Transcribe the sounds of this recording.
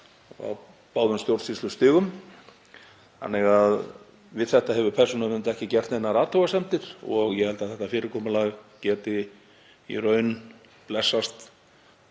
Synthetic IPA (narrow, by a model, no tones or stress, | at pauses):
a̰w | paːwðʏmst̪jowɾt̪sist̪lʏst̪ɪːɣʏm | a̰nːɛɣað | vɪðθɛht̪aɦɛvʏpʰɛr̥sɔnamɪnt̪aɛhcɪcɛr̥t̪enːaɾaːt̪howɣasɛmt̪ɪɾ̥ɔɣjɛhɛlt̪aðθɛht̪afɪːɾɪɾkʰɔːmʏlaɣcɛːt̪ɪ | ḭrœːɥn | plɛsːast̪